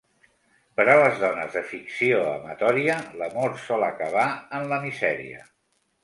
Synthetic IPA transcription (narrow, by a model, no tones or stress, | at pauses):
pəɾaləzðɔnə̰zðəfiksioə̰mət̪ɔɾiələmoɾsɔləkəβ̞aənləmizɛɾḭə̰